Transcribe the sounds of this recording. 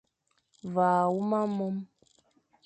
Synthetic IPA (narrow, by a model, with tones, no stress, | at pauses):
vaː˨wu˦ma˦mɔ˦m